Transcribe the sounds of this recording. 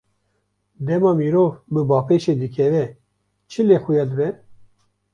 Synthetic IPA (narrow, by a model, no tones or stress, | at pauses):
d̪ɛmɑːmiːɾoːvbɨbɑːpeːʃeːd̪ɨkʰɛvɛ | t͡ʃʰɨleːxujɑːd̪ɨbɛ